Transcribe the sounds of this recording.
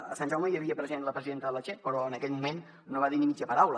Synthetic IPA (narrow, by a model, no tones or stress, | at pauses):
əsanʒawməjəβiəpɾəzienləpɾəziðent̪əðəlat͡ʃepəɾɔənəkɛʎmumen | noβaðinimid͡ʒəpəɾawlə